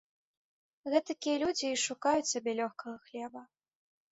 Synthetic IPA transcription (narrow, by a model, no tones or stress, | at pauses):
ɣɛt̪ɐkʲijɐlʲud͡zʲiːʂukajut͡sʲsʲabʲɛlʲɔxkɐɣɐxlʲɛbɐ